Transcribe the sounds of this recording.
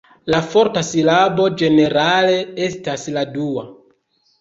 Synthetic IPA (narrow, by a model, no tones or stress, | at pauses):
lafo̞ɾtasilabo̞d͡ʒe̞ne̞ɾale̞e̞stasladua